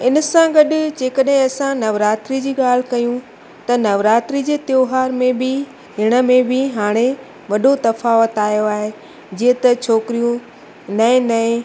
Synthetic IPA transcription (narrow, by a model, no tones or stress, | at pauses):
ɪnə̆sãɡɐɗʊd͡ʑeːkəɗɦɪ̃ɐsãnɐʋɾaːt̪ɾid͡ʑiːɠaːl̤ɪkɐjũ | t̪ɐnɐʋɾaːt̪ɾid͡ʑeːt̪joːɦaːɾmẽbɪ | ɦɪɽ̃ə̆mẽbɪɦaːɽ̃e | ʋɐɗot̪ɐfaːʋət̪aːijoaːɦe | d͡ʑiːə̃t̪ɐt͡ɕʰoːkɪɾijũ | nɐɪ̃nɐẽ